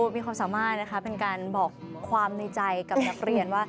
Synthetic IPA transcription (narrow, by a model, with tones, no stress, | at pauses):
miː˧kwaː˧msaː˩˦maː˥˩t̪̚na˦˥xʰpe˧nkaː˧nbɔː˨˩kʰːwaː˧mnɯ˧t͡ɕa˧jka˨˩p̚na˦˥k̚ɾi˨˩ənwaː˥˩